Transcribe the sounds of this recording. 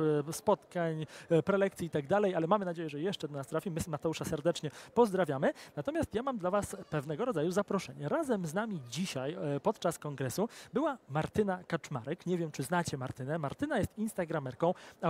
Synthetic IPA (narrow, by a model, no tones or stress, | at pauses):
spɔt̪kaɲpɾɛlɛkt̪sʲiit̪aɡd̪alɛjalɛmamɘnad͡ʑejɛʐɛjɛʂt͡ʂɛd̪ɔnast̪ɾafʲimɘmat̪ɛuʂasɛɾd̪ɛt͡ʂɲɛpɔzd̪ɾavʲjamɘnat̪ɔmʲjast̪jamamd̪lavaspɛvn̪ɛɡɔɾɔd̪zajuzapɾɔʂɛɲɛɾazɛmznamʲid͡ʑiɕajpɔt̪t͡ʂaskɔŋɡɾɛsubɘwamaɾt̪ɘnakat͡ʂmaɾɛkɲevʲjɛmt͡ʂɘznat͡ɕɛmaɾt̪ɘnɛmaɾt̪ɘnajɛst̪inst̪aɡɾamɛɾkɔ̃w̃a